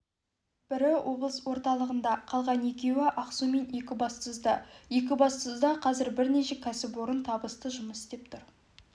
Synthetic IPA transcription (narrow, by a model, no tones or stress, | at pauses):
b̥ɪɾɪwʔo̞blˠəswo̞ɾt̪ɑlˠəʁənd̪ɑqʰɑlˠʁɑnje̞kʲe̞wɪʔɑqsume̞nje̞kʲɪbɑst̪əzd̪əje̞k̬ʲɪbɑst̪əzd̪ɑqʰɑzɪɾbɪɾne̞ʃe̞kʲʰæsɪpwoɾənt̪ʰɑbəst̪əʒʊməsɪ̥st̪e̞p̚t̪ʰʊɾ